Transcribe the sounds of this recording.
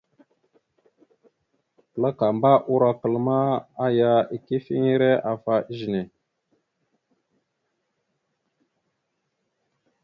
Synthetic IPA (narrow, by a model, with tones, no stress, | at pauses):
kə˨la˦ka˨mba˦ʔu˦ɾa˦kə˨lma˦a˦ja˦i˨ki˦fi˦ŋi˦ɾe˦a˨fa˨ʔi˦ʒi˨ne˨